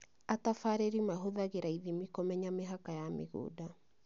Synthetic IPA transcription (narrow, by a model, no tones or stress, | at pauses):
atafaɾeɾimaɦoðaɣeɾaiðimikomɛɲameɦakajamḛɣṵːda